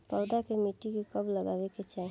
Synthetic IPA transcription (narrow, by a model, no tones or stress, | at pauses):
paʊd̪akemiʈːikekəbləɡabeket͡ʃae